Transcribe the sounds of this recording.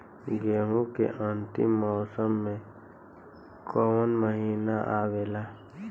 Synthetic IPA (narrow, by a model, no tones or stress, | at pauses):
ɡeːɦũkḛʔãːnt̪ḭmmːɔːsəmːẽ | koːwənməɦiːnaʔaːweːlaː